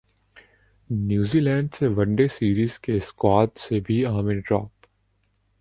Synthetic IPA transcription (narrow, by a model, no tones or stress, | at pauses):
njuːziːlɛ̃ːɳɖseʋɐ̃ɳɖesiːɾiːz̥keskwaːd̪sebʱiaːmĩɖɾɔːp